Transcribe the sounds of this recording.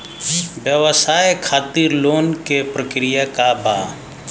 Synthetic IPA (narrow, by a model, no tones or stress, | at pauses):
bjəʋəsaːjkʰaːt̪iɾloːnkepɾəkɾijakabaː